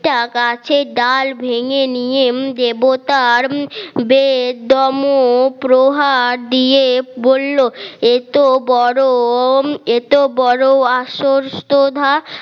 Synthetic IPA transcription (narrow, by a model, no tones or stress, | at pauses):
ʈakat͡ɕʰeɖalbʱeŋenijed̪ebot̪aɾbed̪ɔmopɾoɦaɾd̪iebolːoet̪obɔɾo | et̪obɔɾoaʃoɾst̪od̪ʱa